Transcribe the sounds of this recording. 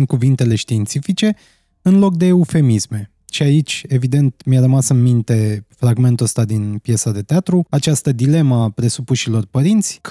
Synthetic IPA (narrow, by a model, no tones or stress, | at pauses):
n̚kuvint̪e̞le̞ʃt̪iːnt̪sifit͡ʃe̞ | ɨnlo̞k̚d̪e̞ufe̞misme̞ | ʃiait͡ʃʲe̞vid̪e̞nt̪mjarəmasɨnmint̪e̞fɾaɡme̞nt̪uəst̪ad̪inpje̞sad̪e̞t̪eat̪ɾuat͡ʃast̪əd̪ile̞məapɾe̞supuʃilo̞rpəɾint̪sʲk